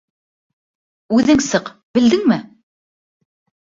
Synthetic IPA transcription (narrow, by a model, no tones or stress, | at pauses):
ʉðɘŋsɤqbɘ̆ld̪ɘŋmɘ